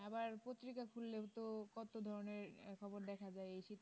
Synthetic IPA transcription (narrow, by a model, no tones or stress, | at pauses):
ɛbaɾpot̪ːɾikakʰulːeɦot̪okɔt̪od̪ʱɔɾoneɾkʰɔboɾd̪ɛkʰad͡ʑaeejʃit̪